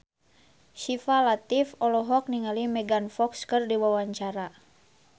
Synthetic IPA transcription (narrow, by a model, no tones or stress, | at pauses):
ʃifalat̪ifɔlɔɦɔk̚niŋalimɛɡanfɔkskɨrdiwawaɲt͡ʃaɾa